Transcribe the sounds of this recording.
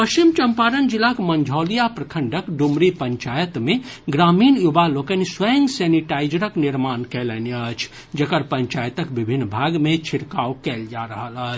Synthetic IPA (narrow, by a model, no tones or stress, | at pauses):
pəʃt͡ʃimt͡ʃəmpaɾənd͡ʒilːakmənd͡ʒʱɔlijapɾəkʰəɳɖʱəkɖumɾipəɲt͡ʃajət̪me | ɡɾaminjubalokəniswɛŋɡsɛniʈajd͡ʒɾəkniɾmankɛlɛneət͡ʃʰ | d͡ʒəkəɾpəɲt͡ʃajət̪əkbibʱinːbʱaɡmet͡ʃʰiɽkawkɛld͡ʒaɾəɦələt͡ʃʰ